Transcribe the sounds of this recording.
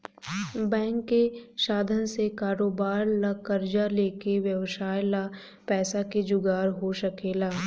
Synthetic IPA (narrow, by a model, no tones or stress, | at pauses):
bɛ̃ːŋkːeʃaːd̪ʱənsekaːɾoːbaːɾlakəɾd͡ʒaleːkeʋjəwʃaːjla | pɛːsaked͡ʒʊɡaːɾɦoʃɐkeːlaː